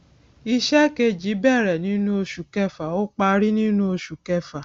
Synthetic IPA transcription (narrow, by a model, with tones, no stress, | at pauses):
i˧ʃɛ˦ke˧d͡ʒi˨˦bɛ˦˨ɾɛ˨nĩ˨˦nũ˦o˧ʃu˨kɛ˦˨fa˨o˦k͡pa˧ɾi˦nĩ˦nũ˦o˧ʃu˨kɛ˦fa˨